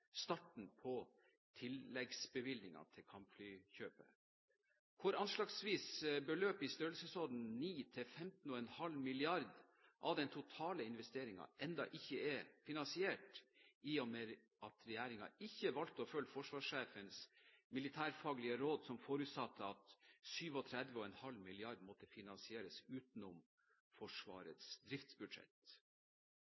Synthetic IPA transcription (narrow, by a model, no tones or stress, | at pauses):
st̪ɑʈɳ̩pʰɔ | t̪ʰɪlːɛɡsbəʋɪlnɪŋɑ̰t̪ʰɪlkʰɑmpflyːçøːpə̰ | kʰʊɾɑnʂlɑːɡsʋiːsbəløːpɪst̪øɾlsəsɔd̪n̩niːt̪ʰɪlfɛmt̪n̩ɔːɛnhɑlmɪlɪɑɾd̪ | ʔɑʋd̪ɛnt̪ʰʊt̪ʰɑːləɪnʋɛst̪eːɾɪŋɑ̰ɛnd̪ɑ̰ʔɪçːəɛfɪnɑnsɪeːʈiːɔme | ɑt̪ɾɛjæːɾɪŋɑ̰ɪçːəʋɑlt̪əɔfœlːfɔʂʋɑːʂːeːfənsmɪlɪt̪ʰæːɾfɑːɡlɪəɾoːd̪sɔmfoɾʉt̪sɑt̪ʰːəɑt̪syːʋɔt̪ʰɾɛd̪ʋəɔɛnhɑlmɪlɪɑɾd̪mɔt̪ːəfɪnɑnsɪeːɾəsʉːt̪n̩ʊm | fɔʂʋɑ̰ːɾə̰t̪sd̪ɾɪft̪sbʉd̪ʂɛ̰t̪